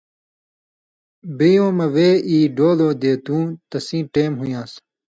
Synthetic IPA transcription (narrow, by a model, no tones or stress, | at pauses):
bijõːmɐʋeːiːɖoːloːd̪eːt̪ũːt̪ɐsĩːʈeːmɦujãːs